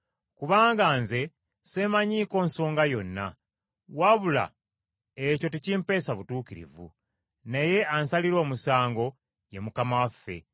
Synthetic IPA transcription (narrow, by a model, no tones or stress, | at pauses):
kuβaːŋɡaːnze̞ | se̞maɲiːko̞ːnso̞ːŋɡajo̞nːa̰ | waβula̰ | eco̞ticimpe̞ːsaβutuːkiɾḭvṵ | neje̞ʔansaliɾo̞ːmusaːŋɡo̞ | jemukamawafːe̞̰